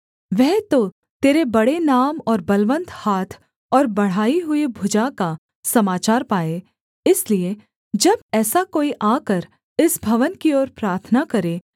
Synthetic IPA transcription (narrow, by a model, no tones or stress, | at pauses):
ʋɛɦt̪o | t̪eːɾebɐɽenaːmɔːɾbɐlʋə̃nt̪ʰhaːt̪ʰ | ɔːɾbɐɽ̤aːiɦʊibʱʊd͡ʒaka | sɐmaːt͡ʃaːɾpaːe | ɪslie | d͡ʒɐbɛːsakoːiʔaːkəɾ | ɪsbʱɐʋənkiɔːɾpɾaːɾt̪ʰnakɐɾeː